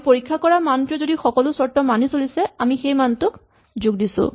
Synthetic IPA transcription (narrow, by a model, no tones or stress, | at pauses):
poɹikʰːakɔɹamantɹɔzodixɔkɔlʊsɔɹtɔmanisolisɛamixejmantʊk | zʊɡdisʊ̰̃